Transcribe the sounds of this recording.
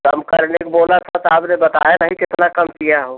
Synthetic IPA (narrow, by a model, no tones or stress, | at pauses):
kə̰mkəɾnek̚bolət̪ʰɔt̪ɔabnebət̪a̰eləɦikɪt̪nakəmpijaɦo